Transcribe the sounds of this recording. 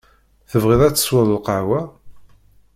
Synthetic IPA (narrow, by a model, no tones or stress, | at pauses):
θəvʁɪðˤæt͡sːə̥swəðəlqɑʕwæ